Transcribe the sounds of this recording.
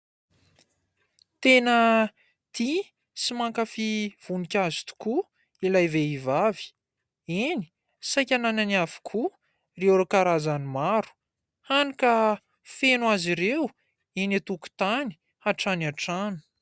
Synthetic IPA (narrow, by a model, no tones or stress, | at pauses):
t̪enə | t̪i | simaŋkafiv̥unikʲazi̥t̪u̥ku | ilajveivavi̥ | ini̥ | sajkʲanananiavi̥kʰu | reoɾakaɾazanimaɾu̥ | hanikə | fenwaziɾew | inat̪uku̥t̪ani̥ | aʈ͡ʂanaʈ͡ʂanu̥